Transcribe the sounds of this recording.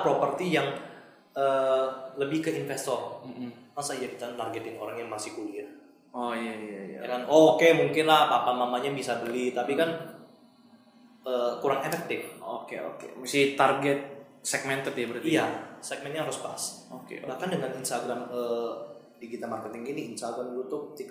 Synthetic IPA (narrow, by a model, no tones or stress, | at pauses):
pɾopərt̪ijaŋ | əːləbɪhkəinfɛst̪ɔrm̩masajakit̪ant̪arɡet̪ɪŋoɾaŋjaŋmasɪhkulia | ojaijaja̰kanokemuŋkɪnlahpapamamaɲabisabəlɪht̪apikan | əːkuɾaŋefɛk̚t̪ɪfokḛo̰kḛmsit̪arɡɛt̪̚ | sɛk̚mɛnt̪ət̪jabəɾijasɛk̚mɛn̚ɲaɦaɾʊspa̰s | okḛbahkandəŋaninst̪aɡɾamə | diɡit̪amarkət̪ɪŋiniinst̪aɡɾamlut̪ʊk̚ət̪ika